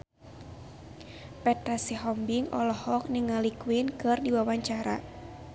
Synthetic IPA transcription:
pɛt̪ɾasiɦɔmbiŋɔlɔhɔk̚niŋalikwinkɨrdiwawaɲt͡ʃaɾa̰

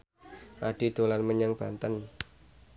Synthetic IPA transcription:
ʔaɖ̥id̪̥olanməɲaŋb̥ant̪ən

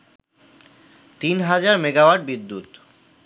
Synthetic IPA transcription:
t̪inɦad͡ʑaɾmeɡawaɖ̚bid̪ːut̪

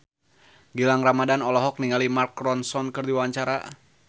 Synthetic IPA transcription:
ɡilaŋramadanɔlɔɦɔk̚niŋalimarkɾɔnsɔnkɨrdiwaɲt͡ʃaɾa̰

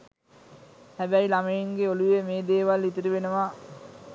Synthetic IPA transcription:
hæbæilamejeŋɡeolujemeːd̪eːʋalːit̪iɾuʋenɐʋaː

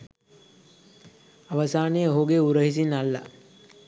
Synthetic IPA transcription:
aʋəsaːnejəɦoɡeuɾəɦis̬inalːa̰

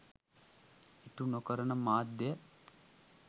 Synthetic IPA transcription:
it̪unokəɾɐnɐmaːd̪jə

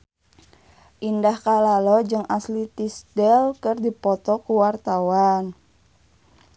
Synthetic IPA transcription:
ʔindahkalalɔd͡ʒɨŋʔaslit̪isdɛlkərdipɔt̪ɔkuwart̪awan

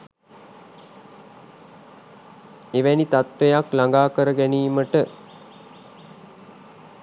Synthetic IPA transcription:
eʋænit̪at̪ʋejaklaŋɡaːkəɾəɡæniːməʈə

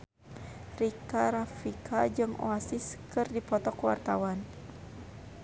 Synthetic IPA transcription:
rikaɾafikʰad͡ʒɨŋo̰asiskɨrdipɔt̪ɔkwa̰rt̪awan

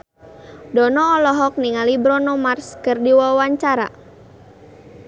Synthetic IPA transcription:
dɔnɔːlɔɦɔk̚niŋalibɾɔnɔmarskərdiwawaɲt͡ʃaɾa̰

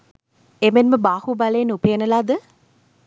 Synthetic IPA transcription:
emenməbaːhubaleːnupejənəlaːd̪ə

